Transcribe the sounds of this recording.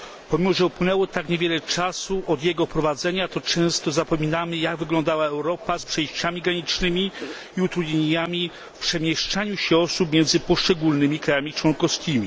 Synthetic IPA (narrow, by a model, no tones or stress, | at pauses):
pɔmʲimɔʐɛupwɘnɛwɔt̪akɲevʲjɛlɛt͡ʂasuʔɔd̪jɛɡɔpɾɔvad̪zɛɲat̪ɔt͡ʂɛ̃w̃st̪ɔzapɔmʲinamɘjaɡvɘɡlɔnd̪awaɛwɾɔpaspʂɛjɕt͡ɕamʲiɡɾaɲit͡ʂnɘmʲi | iut̪ɾud̪ɲeeɲamʲi | fpʂɛmʲjɛʂt͡ʂaɲuɕɛɔsup̚mʲjɛnd̪zɘpɔʂt͡ʂɛɡulnɘmʲikɾajamʲit͡ʂwɔŋkɔskʲimʲi